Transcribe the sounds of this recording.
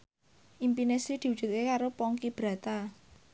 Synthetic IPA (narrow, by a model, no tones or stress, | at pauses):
ʔimpinesɾid̪̥i̤wud͡ʒ̥ṳt̪̚kekaɾopɔŋkib̥ɾa̤t̪a